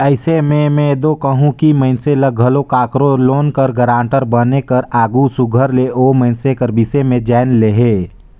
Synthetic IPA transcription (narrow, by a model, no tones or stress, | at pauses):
əɪsemẽmɛ̃d̪okəɦũkiməɪnseləɡʱɐlokaːkɾoloːnkəɾɡəɾãːɳʈəɾbənekəɾaːɡusʊɡʱəɾleʔoːmə̃ɪnsekəɾbɪsemẽd͡ʒaːɪnleɦeː